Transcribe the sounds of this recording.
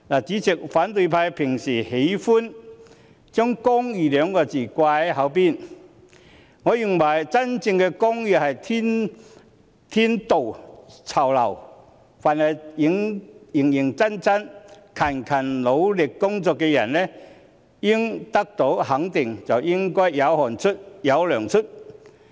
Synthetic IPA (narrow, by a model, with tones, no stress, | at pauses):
la˨˩t͡siː˨˥t͡sɪ˨k̚faː˨˥nt̪ɵ˧jpʰaː˧jpʰɪ˨˩ŋsiː˨˩he˨˧˥jfu˥n | t͡sœ˥ŋkʊ˥ŋjyː˨lœː˨˧ŋkɔː˧t͡siː˨˩kwaː˧hɐ˨˥wpi˧˥n | ŋɔ˨˧ji˨˩nwɐ˨˩jt͡sɐ˥nt͡sɪ˧ŋkɛ˧kʊ˥ŋji˧˩hɐ˨˩jt̪ʰi˥n | t̪ʰi˥nt̪o˨˩wt͡sʰɐ˨˩wlɐ˨˩w | fa˨nɐ˨˩jji˨˥ŋji˨˩ŋji˨˩ŋt͡sa˥nt͡sa˥n | kʰɐ˨˩nkʰɐ˨˩nlo˨˧˥wlɪ˨˩kːʊ˥ŋt͡sɔ˨˧kːɛ˧jɐ̰˨˩nnɛ˦˥ | ji˥ŋt̪a˥k̚t̪o˨˥whɐ˨˥ŋt̪ɪ˨ŋt͡sa˨˩wji˥ŋkɔː˥jja˨˥whɔ˨˩nt͡sʰʊ˥t̚ja˨˥wlœː˨˩ŋt͡sʰʊ˥t̚